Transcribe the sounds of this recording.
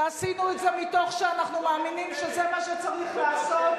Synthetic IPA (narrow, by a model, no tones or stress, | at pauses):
asinuetzemito̞χʃeanaχnumaːminimʃezemaʃet͡saʁiχlaːsot